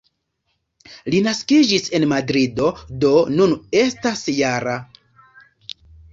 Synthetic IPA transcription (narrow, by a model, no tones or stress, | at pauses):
linaskid͡ʒise̞nmadɾido̞do̞nune̞stasjaɾa